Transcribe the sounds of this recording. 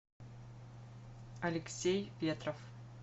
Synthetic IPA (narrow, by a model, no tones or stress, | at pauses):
ɐlʲɪksʲejpʲet̪rof